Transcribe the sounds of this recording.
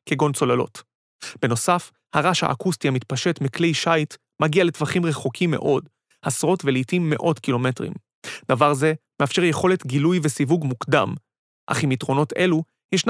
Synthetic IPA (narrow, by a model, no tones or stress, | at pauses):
keɡo̞nt͡so̞lalo̞̰t | b̥e̞no̞saf | haʁaʃa̰ʔːkustiamit̪paʃe̞tmiklejʃajt | maɡiale̞tvaχimʁeχo̞kʰimːe̞̰ʔo̞d | hasʁo̞tvelitimːe̞̰ʔo̞tkilo̞me̞tʁḭm | d̪̥avaʁze̞meafʃe̞ʁjeχo̞le̞tɡilujvesivuɡmukda̰m | ʔa̰χimitʁo̞no̞te̞lu | jeʃn